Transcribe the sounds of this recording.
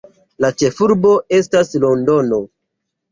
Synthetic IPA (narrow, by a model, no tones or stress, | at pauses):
lat͡ʃe̞fuɾbo̞e̞staslo̞ndo̞no̞